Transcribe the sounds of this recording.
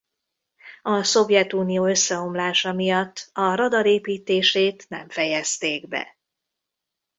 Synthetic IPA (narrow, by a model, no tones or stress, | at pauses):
ɒso̞vjɛt̪uːnijoːø̞sːɛo̞mlaːʃɒmijɒt̪ːɒɾɒd̪ɒɾeːpiːt̪eːʃeːt̪nɛ̰ɱfɛjɛst̪eːɡbɛ̰